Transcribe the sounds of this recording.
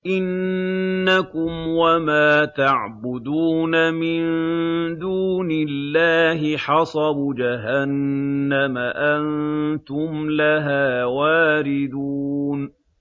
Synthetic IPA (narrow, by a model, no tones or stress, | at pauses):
ʔɪnː | akʊmwamaːt̪aʕbʊd̪uːnamɪnd̪uːnɪlːaːɦɪħɑsˤɑbd͡ʒaɦanːamaʔant̪ʊmlaɦaːwaːɾɪd̪uːn